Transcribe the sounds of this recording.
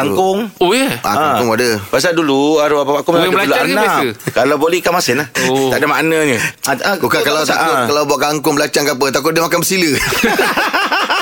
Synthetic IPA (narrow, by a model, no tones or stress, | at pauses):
aŋkʊŋoea̰ŋkkʊŋadəbas̬aduluaɾuapapakumalalnaaskalawbolɛkamasɪnlah̪adamaʔnəɲəakukakalat̪akʊt̪̚kalawbuaʔkaŋkʊŋbəlat͡ʃaŋkap̬ət̪ak̬ʊt̪̚diəmakanbəsilə